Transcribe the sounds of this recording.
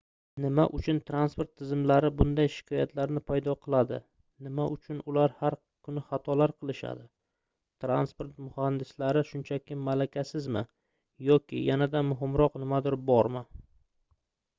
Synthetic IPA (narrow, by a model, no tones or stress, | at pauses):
nɪmaʔʊt͡ʃʰʊnt̪ʰɾanspo̞ɾt̪ʰːɪzɪmlaɾɪbʊnd̪ajʃɪ̥kʰɒjat̪ʰlaɾnɪpʰajd̪ɒqʰɨlˠad̪ɪ̰ | nɪmaʔʊt͡ʃʰʊnʊlaɾhaɾ | kʰʊnɪχat̪ʰɒlaɾqʰɨlˠɪʃa̰d̪ɪ | t̪ʰɾanspoɾt̪mʊhand̪ɪslaɾɪʃʊnt͡ʃʰakʲʰɪmalakʲʰasɪzmɪ̰ | jɒkʲʰɪ̰janad̪amʊɦɪmɾɒqnɪmad̪ɪɾbɒɾmɪ